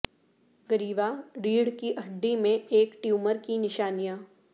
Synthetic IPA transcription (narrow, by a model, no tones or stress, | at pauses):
ɡəɾiːʋaɾiːɽkiʔɐɖːimẽeːkʈjuːməɾkinɪʃaːnijãː